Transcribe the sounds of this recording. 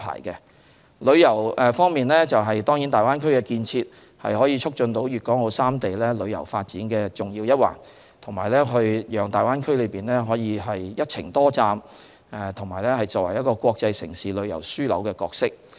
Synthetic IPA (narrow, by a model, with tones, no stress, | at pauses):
pʰa̰ː˨˩jkɛ˧ | lɵ˨˧ɥjɐ˨˩wɛ˨fɔː˥ŋmiː˨nlɛ˥t͡sɐ˨wɦɐ˨jt̪ɔː˥ŋjiː˨˥nt̪aː˨jwaː˥nkʰɵ˥ɥkɛ˧kiː˧nt͡sʰiː˧t̚ | hɐ̰˨jɦɔː˨˥jiː˨˧t͡ʃʰʊ˥k̚t͡ʃɵ˧nt̪o˨˥wjyː˨t̚kɔː˨˥ŋho˨˧wsaː˥mt̪e˨jlɛː˥lɵ˨˧ɥjɐ̰˨˩wfaː˧t̚t͡siː˨˥nkɛː˧t͡sʊ˨˩ŋjiː˧wjɐ˥t̚wa̰ː˨˩ŋ | t̪ʰʊ˨˩ŋmaː˨˩jlɛː˥ɦɵ˧ɥjœː˨˩ŋt̪aː˨˩jwaː˥nkʰɵ˥ɥlɵ˨˧jpiː˨nlɛː˥ɦɔː˨˥jiː˨˧ɦɐ˨jjɐ˥t̚t͡sʰɪ˨˩ŋt̪ɔː˥t͡saː˧m | ɛ˨˩t̪ʰʊ˨˩ŋmaː˨˩lɛː˥hɐ˨jt͡sɔː˨wɐ˨˩jɐ˥t̚kɔː˧kʷɔː˧k̚t͡sɐ˧jsɪ̰˨˩ŋsiː˨lɵ˨˧ɥjɐ̰˨˩wsyː˥lɐ̰˨˥wkɛː˧kɔː˧k̚sɪ˥k̚